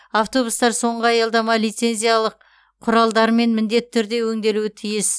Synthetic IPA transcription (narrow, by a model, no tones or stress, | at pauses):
aft̪o̞bust̪ɑɾso̞ɴʁəɑjəlˠd̪ɑmɑlijt̪se̞nzʲijalˠəqʰː | ʊɾɑlˠd̪ɑɾme̞nmɪnd̪e̞t̪ɪt̪ʰːʏɾd̪e̞wɵŋd̪e̞luɪt̪ʰijɪs